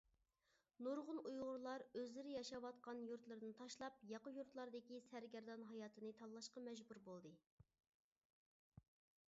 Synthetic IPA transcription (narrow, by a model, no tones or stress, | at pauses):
noɾʁʊnujʁʊɾlˠɑɾøzlɪɾɪjɑʃɑwɑt̪̚qɑnjuɾt̪lˠɨɾd̪ɨnt̪ʰɑʃlˠɑp̚jɑqəjuɾt̪lˠɑɾd̪ɪkʲisæɾɡʲɛɾd̪ɑnɦɑjɑːt̪ʰɨnɨt̪ʰɑlːˠɑʃqɑmɛd͡ʒbuɾbolˠd̪ɨ